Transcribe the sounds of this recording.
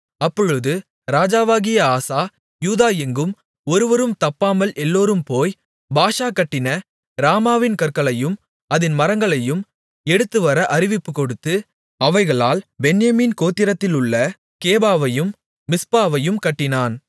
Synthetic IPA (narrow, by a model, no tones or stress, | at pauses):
ɐpːɔɻɯðɯ | ɾaːd͡ʒaːʋaːɣɪjɐaːsaː | juːðaːjɛŋɡɯm | ɔɾɯʋɐɾɯmt̪ɐpːaːmɐlʔɛlːoːɾɯmpoːj | baːʂaːkɐʈːɪnɐ | ɾaːmaːʋɪnkɐɾkɐɭɐjɯm | ɐðɪnmɐɾɐŋɡɐɭɐjɯm | ɛɽɯt̪ːɯʋɐɾɐʔɐɾɪʋɪpːɯkɔɽɯt̪ːɯ | ɐʋɐɪɣɐɭaːlbɛnjɐmiːnkoːt̪ːɪɾɐt̪ːɪlɯɭːɐ | keːbaːʋɐjɯmː | ɪspaːʋɐjɯmkɐʈːɪnaːn